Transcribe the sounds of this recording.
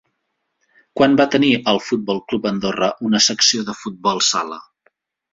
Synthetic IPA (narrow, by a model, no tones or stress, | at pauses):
kwanbat̪əniʔəlˠfut̪̚bɔlˠklupənd̪orəʔunəsəksioðəfut̪̚bɔlˠsalə